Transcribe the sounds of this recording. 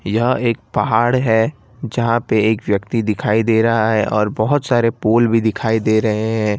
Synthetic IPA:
jɐɦeːk̚pɐɦaːɽɦɛ | d͡ʒɐɦãpeeːkʋjɐkt̪id̪ɪkʰaːid̪eːɾɐɦaɦɛʔɔːɾbɐɦʊt̪saːɾepoːlbʱid̪ɪkʰaːid̪eːɾɐɦeɦɛ̃ː

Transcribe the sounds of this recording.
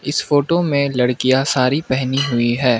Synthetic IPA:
ɪsfoːʈomẽlɐɽkijasaːɾipɛɦniɦʊiɦɛː

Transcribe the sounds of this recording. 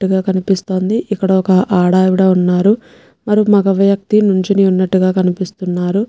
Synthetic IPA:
ʈːuɡaːkɐnipist̪o̞ːnd̪iʔikːɐɽɐɔkɐʔaːɽaːjuɽɐunːaːɾu | mɐɾimɐɡɐʋjɐk̚t̪inuɲt͡ʃiniunːɐʈːuɡaːkɐnipist̪unːaːɾu

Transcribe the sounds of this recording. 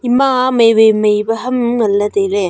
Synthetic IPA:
imamɐjbejmɐjbɐɦɐmŋɐlːɐd̪eɾe

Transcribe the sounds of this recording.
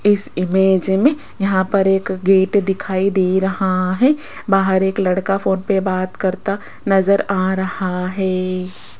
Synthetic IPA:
ɪsɪmeːd͡ʒmẽ | jɐɦãpɐɾeːkɡeːʈd̪ɪkʰaːid̪eːɾɐhaɦɛː | baːɦəɾeːklɐɽkafoːnpebaːt̪kɐɾt̪a | nɐzəɾaːɾɐhaɦɛː

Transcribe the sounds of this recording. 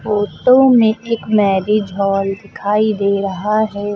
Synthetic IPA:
foːʈõmẽʔeːkmɛːɾid͡ʒʱɔːld̪ɪkʰaːid̪eːɾɐɦaɦɛː

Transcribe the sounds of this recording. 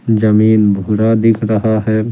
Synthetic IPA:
d͡ʒəmiːnbʱuɾad̪ɪkʰɾəɦaɦɛ

